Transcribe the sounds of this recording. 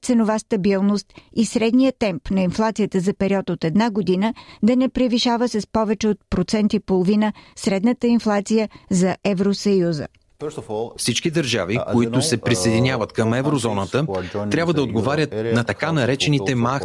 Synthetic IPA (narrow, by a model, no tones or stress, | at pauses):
t̪sɛnovast̪ɐbilˠnost̪isɾɛd̪nijət̪ɛmpnɐinflˠat̪sijət̪əzɐpɛɾiɔt̪ot̪ɛd̪naɡod̪inəd̪ɐnɛpɾiviʃavəsɐspɔvɛt͡ʃɛot̪̚pɾot̪sɛnt̪ipolˠovinəsɾɛd̪nət̪əinflˠat̪sijəzɐʔɛvɾosɐjuzə̰ | fsit͡ʃkid̪ɐɾʒavikoit̪ʊsɛpɾisejd̪inʲjavət̪kɐmɛvɾozɔnət̪ət̪ɾʲabvəd̪ɐod̪ɡovaɾʲət̪nɐt̪ɐkanɐɾɛt͡ʃɛnit̪ɛma